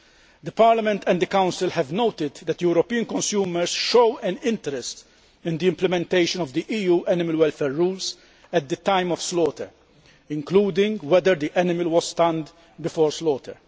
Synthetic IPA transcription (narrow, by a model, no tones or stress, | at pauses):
d̪əpaːɾlɐmɛ̃nt̪ɛ̃nd̪əkãw̃nsɪlhɛvnowt̪ɪd̪d̪ɛt̪juɾɔpiːə̃nkɔ̃nsjuːməɾsʃowɛnɪ̃nt̪ɛɾɛst̪ | ɪ̃nd̪iɪ̃mplɛmɛ̃nt̪eɪʃɔ̃nɔvd̪iʔiːjuːʔɛnɪməlwɛlfɛɾːuːls | ɛt̪̚d̪ət̪ãɪ̃mɔfslɔːt̪ɛ̰ɾ | ɪ̃ŋkluːd̪ɪ̃ŋɡwɛd̪əɾd̪iʔɛnɪmɪlwɔzst̪ɐ̃nd̪ | bɪfɔːɾslɔːt̪ʰə̰ɾ